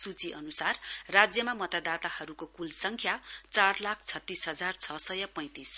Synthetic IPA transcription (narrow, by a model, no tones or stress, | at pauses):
sut͡siʔʌnusarːad͡zjʌmamʌt̪ad̪at̪ahʌɾukokulsʌŋkʰjat͡sarlakʰt͡sʰʌt̪ːisɦʌd͡zart͡sʰʌsʌjʌpʌ̃j̃t̪is